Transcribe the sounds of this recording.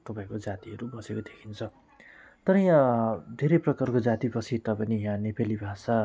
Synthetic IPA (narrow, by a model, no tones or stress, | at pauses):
t̪ʌpãĩkod͡zat̪iɦʌɾubʌsekod̪ekʰint͡sʰʌ | t̪ʌɾʌid̪ʱeɾeprʌkarkod͡zat̪ibʌsʰit̪ʌpanijãnipelibʱasa